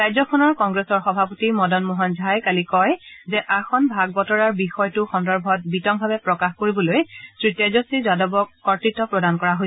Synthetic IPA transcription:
ɹajzɔkʰɔnɔɹkɔŋɡɹesɔɹxɔbʱapotimɔdɔnmuɦɔnzʱajkalikɔjzɛʔaxɔnbʱaɡ̚bɔtɔɹaɹbixɔjtʊxɔndɔɹbʱɔt̚bitɔŋbʱabɛpɹɔkaxkoɹibɔlojtɹitjɔzɔsizadɔbɔkɔɹtɹitːɔpɹɔdankɔɹaɦoj

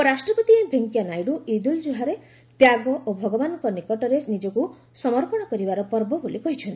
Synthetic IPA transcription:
ɔɾasʈɾɔpɔt̪ibʱeŋkjanajɽuid̪uld͡ʒuɦaɾe | t̪jaɡɔʔobʱɔɡɔbanɔŋkɔnikɔʈɔɾenid͡ʒɔku | sɔmɔɾpɔɽ̃ɔkɔɾibaɾɔpɔɾbɔbolikɔɦit͡ʃʰɔnt̪i

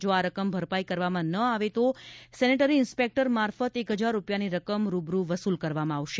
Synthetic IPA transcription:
d͡ʒoaɾəkəmbʱəɾpaikəɾʋamãnəaʋet̪osɛniʈəɾiɪnspek̚ʈəɾmaɾfət̪ekɦəd͡ʒaɾːupjaniɾəkəmɾubɾuʋəsulkəɾʋamãːʋʃe

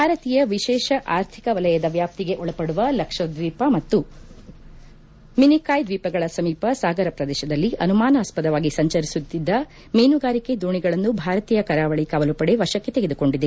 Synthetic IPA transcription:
bʱaːɾɐt̪iːjɐʋiʃɛːʃɐʔaːɾt̪ʰikɐʋɐlɐjɐd̪ɐʋjaːp̚t̪iɡe̞ʔɔɭɐpɐɽuʋɐlɐkʂɐd̪ʋiːpɐmɐt̪ːu | minikaːjd̪ʋiːpɐɡɐɭɐsɐmiːpɐsaːɡɐɾɐpɾɐd̪ɛːʃɐd̪ɐlːiʔɐnumaːnɐːspɐd̪ɐʋaːɡisɐɲt͡ʃɐɾisut̪ːid̪ːɐ | meːnuɡaːɾike̞d̪uːɳiɡɐɭɐnːubʱaːɾɐt̪iːjɐkɐɾaːʋɐɭikɐʋɐlupɐɽe̞ʋɐʃɐkːet̪eɡe̞d̪uko̞ɳɖid̪e

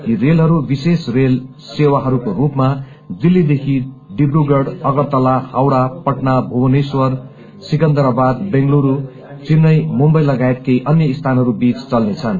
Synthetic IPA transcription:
kirelɦʌɾubisesrel | sewaɦʌɾukorupma | d̪ilːid̪ekʰiɖibruɡʌɽʌɡʌrt̪ʌlahawɽapʌʈnabʱuwʌneswʌr | sikʌnd̪ʌɾabad̪bẽŋɡluɾu | t͡sinːʌjmumbʌjlːʌɡaet̪̚kʌjʔʌnjʌist̪ʰanɦʌɾubit͡st͡sʌlnet͡sʰʌn

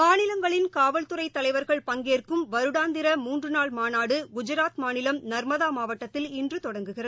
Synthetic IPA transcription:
maːnɪlɐŋɡɐɭɪnkaːʋɐlt̪ɯɾɐɪt̪ːɐlɐɪʋɐɾɣɐɭpɐŋɡeːrkɯmʋɐɾɯɽaːnd̪ɪɾɐmuːndrɯnaːɭmaːnaːɽɯɡʊd͡ʒɐɾaːt̪maːnɪlɐmnɐɾmɐðaːmaːʋɐʈːɐt̪ːɪlɪndrɯt̪ɔɽɐŋɡɯɣɪrɐð

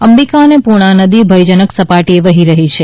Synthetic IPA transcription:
əmbikanepuɽ̃anəd̪ibʱəjd͡ʒənəksəpaʈieʋəɦiɾəɦit͡ʃʰe

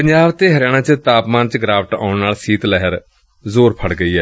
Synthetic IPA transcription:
pəɲd͡ʒaːʋt̪eːɦəɾɪjaːɽ̃ãːt͡ʃət̪aːpmaːnt͡ʃɡɾaːʋəʈa̰ːʊnnaːlsiːt̪lɛɦəɾ | zoːɾpʰəɽɡəiːɛː

